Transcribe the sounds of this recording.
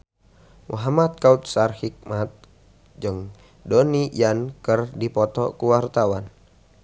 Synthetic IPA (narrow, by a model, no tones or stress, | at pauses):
muɦamat̪̚kaut̪̚sarhik̚mat̪̚ | d͡ʒɨŋ | dɔnijankərdipɔt̪ɔ̰kuwart̪awan